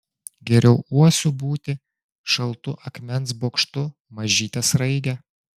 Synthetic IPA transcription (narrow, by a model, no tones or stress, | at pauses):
ɡʲɛɾʲɛʊuɔsʲubuːt̪ʲɪ | ʃɐlˠt̪ʊʔɐkmʲɛns̬boːkʃt̪ʊ | mɐʒʲiːt̪ʲɐsɾɐɪɡ̪ʲɛ